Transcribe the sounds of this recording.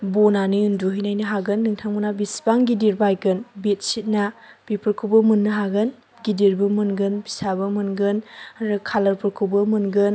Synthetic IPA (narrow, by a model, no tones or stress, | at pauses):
bonaniɯnduɦɯjnajnɯɦaɡɯnːɯŋtʰaŋbunabisbaŋɡidiɾbajkɯnbit̚sit̚na | b̥ipəɾkʰubɐmunːɐɦaɡɯn | ɡidiɾbɐmɯnɡɯnbisabɐmɯnɡɯnɾɯkʰalɐɾpʰɯɾkʰɯwbɯmɯnɡɯn